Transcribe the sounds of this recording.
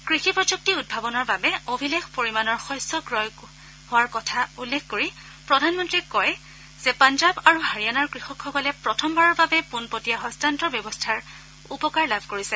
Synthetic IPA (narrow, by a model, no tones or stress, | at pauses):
kɹixipɹɔd͡ʒuk̚tiud̚bʱabɔnɔɹbabɛobʱilexpoɹimanɔɹxɔjsɔɡɹɔj | hʊwaɹkɔtʰaulːekʰkoɹi | pɹɔdʱanmɔntɹikɔj | z̥ɛpand͡ʒabaɹuɦaɹijanaɹkɹixɔkʰxɔkɔlɛpɹɔtʰɔmbaɹɔɹbabɛpunpotijaɦɔstantɔɹbjɔbɔstʰaɹ | upɔkaɹlabʱkoɹisɛ